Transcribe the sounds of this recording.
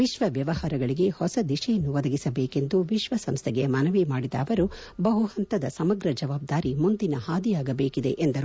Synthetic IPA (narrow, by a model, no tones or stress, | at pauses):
ʋiʃʋɐʋjɐʋɐhaːɾɐɡɐɭiɡe̞hɔsɐd̪iʃɛjɐnːuʋɐd̪ɐɡisɐbeːke̞nd̪uʋiʃʋɐsɐmst̪ʰeɡemɐnɐʋimaːɽid̪ɐ̰ːʋɐɾu | bɐɦuhɐnt̪ɐd̪ɐsɐmɐɡɾɐd͡ʒɐʋaːb̚d̪aːɾimund̪inɐhaːd̪ijaːɡɐbeːkid̪e̞̰ʔend̪ɐɾ